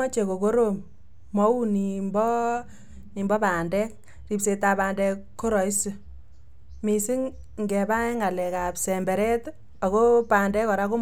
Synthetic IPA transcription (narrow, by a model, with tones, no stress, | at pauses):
ɔ˦t͡ʃe˨ko˨ko˦ɾo˨mː | ɔ˦wu˦ni˨mbɔ˦ | ni˨mbɔ˦pa˨ndɛ˦k̚ | ri˨pse˨ta˨ba˨ndɛ˧kkːo˦ɾɔ˨i˦si˨ | mi˨si˦ŋ | ŋɡɛ˨ba˦ɛ˦ŋa˨lɛ˨ka˨psɛ˨mbɛ˨ɾɛ˦t | ɔ˨ko˦pa˨ndɛ˦kɔ˨ɾa˦ko˦